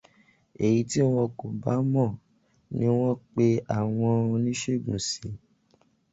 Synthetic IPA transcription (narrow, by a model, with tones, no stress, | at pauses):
e˨ji˨˦ti˦w̃ɔ̃˧ko˨ba˨˦mɔ̃˦˨ | nĩ˦w̃ɔ̃˦k͡pe˧a˨w̃ɔ̃˧o˧nĩ˦ʃe˦˨ɡũ˨si˨˦